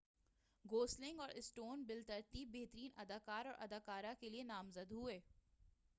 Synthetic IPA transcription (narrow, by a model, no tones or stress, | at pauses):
ɡoːslɪ̃ŋɡɔːɾʔɪsʈoːnbɪlt̪əɾt̪ibeɦt̪əɾiːnɐd̪aːkaːɾɔːɾʔɐ̰d̪aːkaːɾakelienaːmzəd̪ɦʊeː